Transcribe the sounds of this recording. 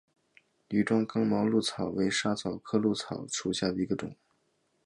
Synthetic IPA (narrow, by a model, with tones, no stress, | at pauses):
ly˨˩ʈ͡ʂwɑ˥ŋkɑ˥ŋmɑ˧˥ʊlu˥˩t͡sʰɑ˨˩ʊwe˧˥ɪʂa˥t͡sʰɑ˨˩ʊkʰɤ˥lu˥˩t͡sʰɑ˨˩˦ʊʈ͡ʂʰu˨˩ɕja˥˩d̪ə˩i˧˥ɡə˧ʈ͡ʂʊ̰˨˩˦ŋ